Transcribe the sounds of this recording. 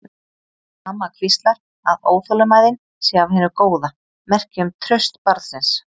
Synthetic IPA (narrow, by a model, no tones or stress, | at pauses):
amːakʰvist̪laɾ̥ | a̰ðoːwθœlʏmaːjðɪn | sɛavhɛːnʏkoːwða | mɛr̥cɪʏmt̪ʰɾœɥst̪paɾðsɪns